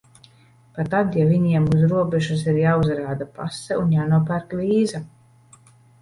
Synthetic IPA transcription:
pat̪ːad̪javiɲiɛmuzɾuɔbɛʒus̬iɾjaːuzɾaːd̪apa̰sːɛunjaːnuɔpæɾkliːza

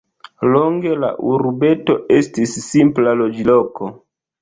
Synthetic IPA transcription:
loŋɡe̞la̰ʔuɾbe̞to̞ʔe̞stisːimplalod͡ʒiloko

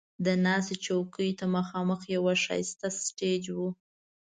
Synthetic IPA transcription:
d̪ənɑset͡ʃawkəjt̪amaxɑməxjawaʃɑ̰jst̪asʈed͡ʒwu

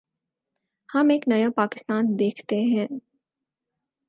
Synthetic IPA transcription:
hɐmeːknɐjapaːkɪst̪aːnd̪eːkʰt̪eɦɛ̃ː

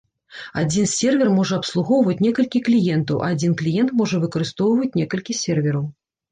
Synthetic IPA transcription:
a̰d͡zʲinsʲɛrvʲɛrmɔʐɐɐpslˠuɣɔwvɐt͡sʲnʲɛkɐlʲkʲiklʲijɛnt̪ɐwʔɐ̰ad͡zʲinklʲijɛnt̪mɔʐɐvɨkɐɾɨst̪ɔwvɐt͡sʲnʲɛkɐlʲkʲisʲɛrvʲɛɾɐw

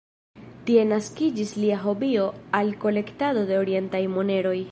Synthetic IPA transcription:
tie̞naskid͡ʒisliaɦo̞bio̞alko̞le̞ktado̞de̞oɾie̞ntajmone̞ɾo̞j

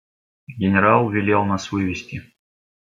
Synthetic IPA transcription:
ɡʲɪnʲɪɾalˠvʲɪlʲelˠnasvɨvʲɪsʲtʲɪ

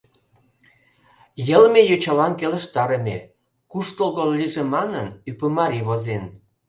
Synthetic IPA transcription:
jəlmejot͡ɕɑlɑnkeləʃt̪ɑɾəmʲḛ | kuʃt̪olɣolːiʒemɑnənypəmɑɾiβozen

